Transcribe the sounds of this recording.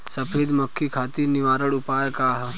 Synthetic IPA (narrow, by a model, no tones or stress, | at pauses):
sɐpʰeːd̪mɐkʰːikʰaːt̪iːɾniʋaːɾəɽupaːjkaːɦ